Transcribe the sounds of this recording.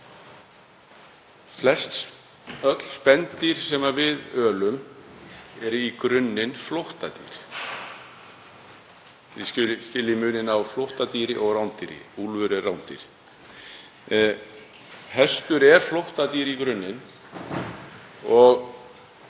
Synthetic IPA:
flɛst̪s | œt̪l̥spɛntt̪iɾ̥sɛmavɪðœːlʏm | ɛɾikɾʏnːɪnflɔht̪at̪ḭɾ̥ | ɪcʏscɪlːɪmʏːnɪnawflɔwht̪at̪iːɾɪʔɔɣrawnt̪iɾɪ̰uːlvʏɾɛrawnt̪ḭɾ̥ | hɛst̪ʏɾɛɾ̥flowht̪at̪iːɾikɾʏnːɪn | ɔɣ

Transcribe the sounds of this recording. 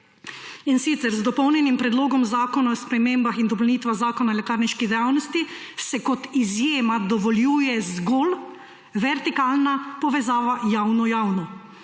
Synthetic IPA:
insit̪sɛɾzd̪ɔpɔwnjɛnimpɾɛd̪loːɡɔmzaːkɔnaɔspɾɛmeːmbaxind̪ɔplniːt̪ʋaxzaːkɔnalɛkaːɾniʃkid̪ɛjaːwnɔst̪i | sɛkɔt̪izjeːmad̪ɔʋɔljuːjɛzɡol | ʋɛɾt̪ikaːlnapɔʋɛzaːʋajawnɔjaːwnɔ

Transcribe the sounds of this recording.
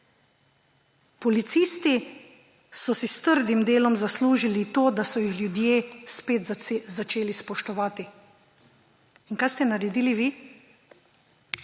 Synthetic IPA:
pɔlit̪siːst̪i | sɔsist̪əɾd̪imd̪eːlɔmzasluːʒilit̪oːd̪asɔjixlʲjud̪jeːspeːt̪zat͡ʃeːlispɔʃt̪ɔʋaːt̪i | inkajst̪ɛnaɾɛd̪iːliʋiː

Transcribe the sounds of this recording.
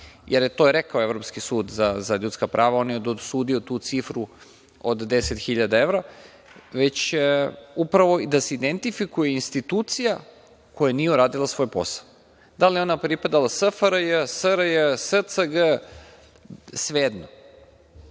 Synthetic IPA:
jʔeɾjet̪oːɾekaoe̞vɾo̞pskisuːd̪zazaʎut̪skapɾʔaːʋao̞njed̪osuːd̪io̞t̪uːt̪sifɾu | od̪d̪e̞set̪xiʎad̪ae̞ʋɾa | ʋe̞t͡ɕ | upɾaʋo̞id̪aseid̪ent̪ifikujeinst̪it̪uːt̪sija | ko̞janijeuɾaːd̪ilasʋo̞ːjpo̞̰sḁ | d̪alijeo̞napɾipad̪alasəfəɾəjəsəɾəjəsət̪səɡə | sʋeːd̪no

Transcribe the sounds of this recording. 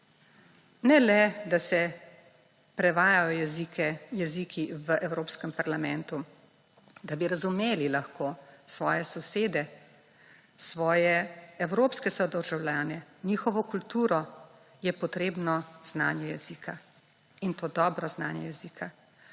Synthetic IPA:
nɛlɛd̪asɛ | pɾɛʋaːjajɔjɛzikɛjɛziːkʰiʋəʔɛwɾoːpskəmpaɾlamɛnt̪u | d̪abiɾazumeːlilaxkoːsʋɔːjɛsɔseːd̪ɛ | sʋɔːjɛɛwɾoːpskɛsɔd̪əɾʒawlʲjaːnɛniːxɔʋɔkult̪uːɾɔ | jɛpɔt̪ɾeːbnɔz̥na̰ːnjɛjɛziːkʰa | int̪oːd̪ɔːbɾɔznaːnjɛ̰jɛziːkʰa

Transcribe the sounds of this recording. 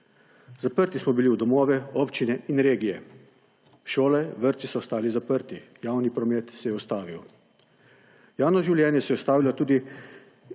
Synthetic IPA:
zapəɾt̪ismɔbiliwd̪ɔmoːʋɛoːpt͡ʃinɛinɾeːɡijɛ̰ | ʃoːlɛʋəɾt̪sisɔːst̪aːlizapəɾt̪ijaːwnipɾɔmeːt̪sɛjɛɔst̪aːʋiw | jaːwnɔʒiwljɛːnjɛsɛjɛɔst̪aːʋilɔt̪uːd̪i

